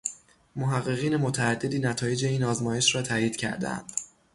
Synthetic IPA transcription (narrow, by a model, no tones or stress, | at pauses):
moɦæɣːe̞ɣiːne̞mot̪ʰææd̪ːe̞d̪iːnæt̪ʰɒːje̞d͡ʒe̞iːnɒːzmɒːje̞ʃɾɒːt̪ʰæːjiːd̪̥cʰæ̰ɾd̪æ̰æ̰nd̪̥